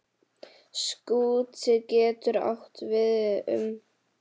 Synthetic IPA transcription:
skuːtɪcɛːt̪ʏɾa̰wht̪vɪðʏ̰m

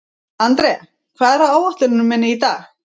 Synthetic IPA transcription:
ant̪ɾɛa | kʰvaːðɛɾhaaːwaht̪ʏɾɪnʏmːɛnːɪit̪aːx

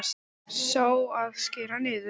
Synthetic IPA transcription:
s | soːwaðscɪːɾanɪːðʏ

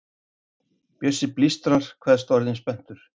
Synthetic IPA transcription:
pjœsɪplist̪ɾaɾ̥kʰvɛːðst̪ɔɾðɪnspɛn̥t̪ʏɾ̥

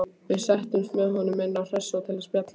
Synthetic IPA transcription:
vɪðsɛht̪ʏmst̪mɛðɦɔnʏmːɪnːawr̥ɛsːawt̪ʰɪlɪspjat̪la

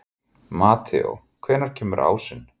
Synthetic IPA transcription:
maːt̪ʰɛo̰ | kʰvɛːnaɾ̥cʰɛːmʏɾʔa̰ːwsɪnː

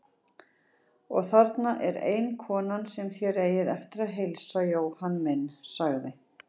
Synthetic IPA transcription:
ɔ̰ɣθaɾt̪naʔɛɾḛːjnkʰɔːnansɛmθjɛɾeːjɪðɛft̪ɪɾaðɦejlsajoːwhanːmɪnːsaɣðɪ

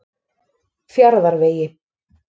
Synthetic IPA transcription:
fjaɾðaɾveːjɪ

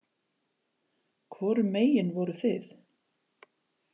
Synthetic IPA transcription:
kʰvɔɾʏmeːjɪnvɔɾʏθɪθ

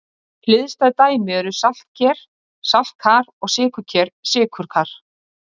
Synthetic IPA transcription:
klɪðst̪aðt̪aːjmɪɛɾʏsal̥t̪̚cʰɛɾ̥ | sal̥t̪̚kʰaːɾɔɣsɪːkʏcʰɛɾsɪːkʰʏɾ̥kʰaːɾ̥

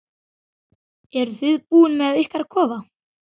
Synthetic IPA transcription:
ɛɾθɪðpuːnmɛðɪhkaɾkʰɔːva

